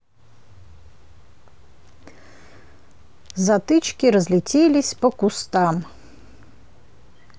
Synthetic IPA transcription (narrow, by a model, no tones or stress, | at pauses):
zɐt̪ɨt͡ʃkʲiɾɐzʲlʲit͡sʲɛlʲisʲpɔkust̪am